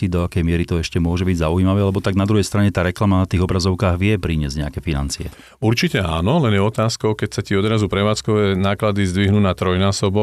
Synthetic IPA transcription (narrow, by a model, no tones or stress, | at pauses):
id̪ɔakɛjmɪɛɾit̪ɔɛʃcɛmʊɔʒɛbiɟzaujimaʋɛːalɛbɔt̪aɡnad̪ɾuɦɛjst̪ɾaɲɛt̪aːɾɛklamanat̪iːɣɔbɾazɔʊkaːɣʋɪɛpɾiːɲɪɛzɟɲɛakɛfina̰nt͡siɛ̰ | uɾt͡ʃicɛa̰ːnɔlɛnjɛɔt̪aːskɔʊkɛcsaciɔd̪ɾazupɾɛʋaːt͡skɔʋɛːnaːklad̪izd̪ʋiɦnuːnat̪ɾɔjnaːsɔbɔ